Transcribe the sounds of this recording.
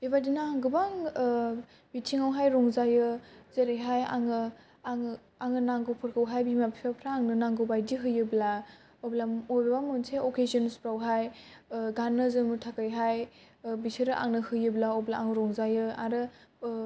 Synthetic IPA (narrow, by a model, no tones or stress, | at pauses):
bibadinaːŋɡɯbaŋ | bitʰiŋawɦajɾɔŋzajɯzeɾɯjɦaja̰ŋɯ | ŋ | aŋɯnaŋɡɯwpʰɯɾkʰɯwɦajbimapʰipʰapʰɾaːŋnɯnaŋɡɯwbajdiɦɯjɯbla | ɔblamɔjbɯbamɯnseɔkezɔnspɾawɦajɡanːɯzɯmɯtʰakɯjɦaj | bisʰɯɾɯʔa̰ŋnɯhɯjɯblaoblaːŋɯɾɔŋzajɯaɾɯ